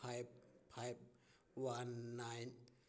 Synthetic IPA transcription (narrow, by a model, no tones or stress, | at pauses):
ap̚pʰːajp̚ | wanːajt